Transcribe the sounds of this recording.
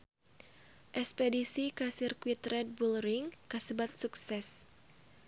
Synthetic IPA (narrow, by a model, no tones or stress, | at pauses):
ʔɛspedisikasirkwit̪ɾɛt̪̚bulɾiŋkasəbat̪̚suksɛs